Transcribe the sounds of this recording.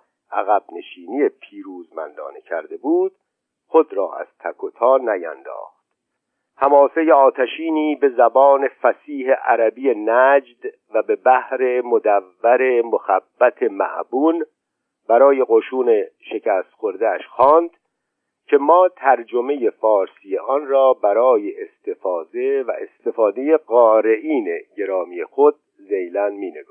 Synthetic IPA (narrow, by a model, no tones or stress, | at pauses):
ʔæɣæbne̞ʃiːnije̞pʰiːɾuːzmæ̰nd̪ɒ̰ːnecʰæ̰ɾd̪e̞buːd̪̥ | xod̪ɾɒ̰ːæ̰z̥t̪ʰækʰot̪ʰɒːnæjæ̰nd̪ɒ̰ːxt̪̚ | hæmɒːsejeɒːt̪ʰæʃiːniːbe̞zæbɒːne̞fæsiːɦe̞ʔæɾæbije̞næːd͡ʒd̪̥ | væbe̞bæhɾe̞mod̪ævːæɾe̞moxæbːæt̪ʰe̞mæ̰ʔbuːn | b̥æɾɒːje̞ɣoʃuːne̞ʃe̞cʰæːst̪xo̞ɾd̪eæ̰ʃxɒːnd̪̥ | cʰe̞mɒːt̪ʰæɾd͡ʒo̞me̞je̞fɒːɾsijeʔɒnrɒːbæɾɒːje̞ʔːst̪e̞fɒːze̞væ̰ʔest̪e̞fɒːd̪e̞je̞ɣɒːɾe̞ʔiːneɟe̞ɾɒːmiːje̞xod̪̚ | zejlænmiːneɡ